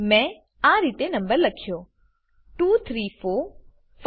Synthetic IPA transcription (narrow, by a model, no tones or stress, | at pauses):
mɛ̃ | aɾit̪enəmbəɾləkʰjo | ʈut̪ʰɾifo | f